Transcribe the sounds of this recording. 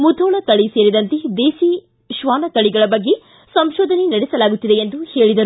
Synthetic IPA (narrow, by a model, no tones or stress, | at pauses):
mud̪ʰʱɔːɳɐkɐɭiseːɾid̪ɐnt̪ed̪eːsi | ʃʋaːnɐkɐɭiɡɐɭɐbɐɡːe̞ | sɐmʃɔːd̪ʱɐnenɐɽɛsɐlaːɡut̪ːid̪e̞ːnd̪uheːɭid̪ɐɾu